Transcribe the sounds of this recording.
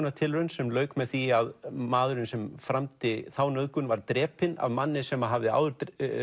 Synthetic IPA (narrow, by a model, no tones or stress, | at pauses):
nat̪ʰɪlɾʏnsɛmlœːɥkmɛðθiaðmaːðʏɾɪnsɛmfɾamt̪ɪθawnœðkʏnvaɾt̪ɾɛːpɪna̰vmanːɪsɛmːaɦavðɪa̰ːwðʏɾt̪